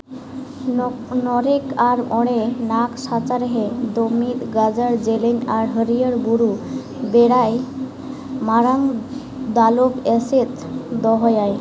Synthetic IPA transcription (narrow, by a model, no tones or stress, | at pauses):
nɔɾekʰaɾmʔɔɽ̃enaksat͡saɾɦed̪omid̪ɡad͡zəɾd͡ʑelenaɾɦəɾijəɾbuɾu | beɽaj | maɾaŋ | d̪alobɛset̪ | d̪ɔɦɔjaj